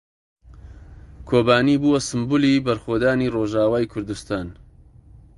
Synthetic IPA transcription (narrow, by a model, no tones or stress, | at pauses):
kʰoːbaːnibuːwɐsɨmbulibɐɾxoːd̪aːniroːʒaːwaːjkʰʊɾd̪ust̪aːn